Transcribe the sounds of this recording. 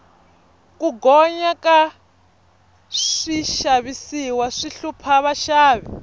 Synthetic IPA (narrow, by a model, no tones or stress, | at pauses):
kuɡɔɲaka | ʂiʃaβisiwaʂiɬupʰaβaʃaːβi